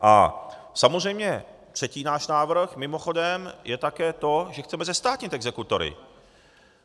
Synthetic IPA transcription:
ʔa̰ | samozr̝ɛjmɲɛ | t̪r̥ɛciːnaːʃnaːvr̩xmɪmo̞xo̞dɛmjɛt̪akɛːt̪o̞ʒɛxt͡sɛmɛzɛst̪aːt̪ɲɪt̪ɛɡzɛkut̪oɾɪ̰

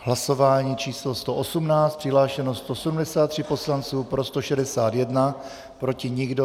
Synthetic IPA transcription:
ɦlaso̞vaːɲiːt͡ʃiːslo̞st̪o̞ʔosumnaːt͡st̪pr̥ɪɦlaːʃɛnost̪o̞sɛdumdɛsaːt̪ːr̥ɪpo̞slant͡suːpɾo̞st̪o̞ʃɛdɛsaːt̪jɛdna | pɾo̞cɪɲɪɡdo

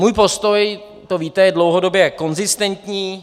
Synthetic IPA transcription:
muːjpo̞st̪o̞j | t̪oviːt̪ɛjɛdlo̞wɦodo̞bjɛko̞nzɪst̪ɛnt̪ɲiː

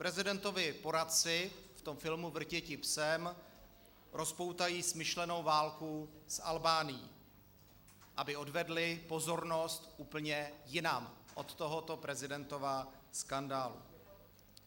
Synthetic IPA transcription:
pɾɛzɪdɛnt̪o̞vɪpo̞ɾat̪̚t͡sɪft̪o̞mfɪlmuvr̩cɛcɪpsɛm | ɾʔo̞spo̞wt̪ajiːsmɪʃlɛno̞wvaːlkusʔalbaːnɪjḭː | ʔabɪo̞dvɛdlɪpo̞zo̞ɾno̞st̪ʔuːpl̩ɲɛjɪnamʔo̞t̪ːo̞ɦot̪o̞pɾɛzɪdɛnt̪o̞vaskandaːlṵ

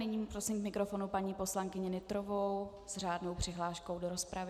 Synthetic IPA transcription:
nɪɲiːmpɾosɪmkmɪkɾo̞fo̞nupaɲiːpo̞slaŋkɪɲɪnɪt̪ɾovow | z̥raːdno̞wpr̝̥ɪɦlaːʃko̞wdoɾo̞spɾavɪ

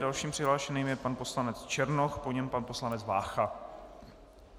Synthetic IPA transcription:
dalʃiːmpr̥ɪɦlaːʃɛniːmjɛpanpo̞slanɛt͡st͡ʃɛɾnoxpoɲɛmpanpo̞slanɛt͡sva̰ːxa

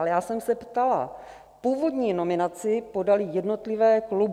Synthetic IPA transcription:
lɛjaːsɛmsɛpt̪ala̰ | puːvo̞dɲiːno̞mɪnat͡sɪpo̞dalɪjɛdno̞t̪lɪvɛːklub

